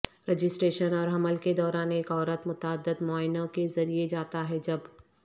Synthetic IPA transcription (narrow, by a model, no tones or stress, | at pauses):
ɾɛd͡ʒɪsʈɾeːʃənɔːɾɦɐməlked̪ɔːɾaːneːkɔːɾət̪mʊt̪aːd̪ːəd̪mɔaːɪnõkezɐɾied͡ʒaːt̪aɦɛd͡ʒɐb